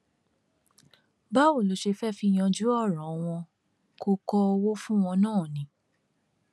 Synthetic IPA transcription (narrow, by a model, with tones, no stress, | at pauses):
ba˦wo˦˨lo˨˦ʃe˧fɛ˦fi˦j̃ã˧d͡ʒu˨˦ɔ˦˨ɾ̃ɔ̃˨˦w̃ɔ̃˧ | ko˧kɔ˦o˧wo˦fũ˦w̃ɔ̃˧nãː˦˨nĩ˨˦